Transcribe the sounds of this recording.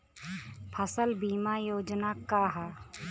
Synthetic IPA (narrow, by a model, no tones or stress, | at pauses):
pʰəsəlbiːmajoːd͡ʒnakaːɦa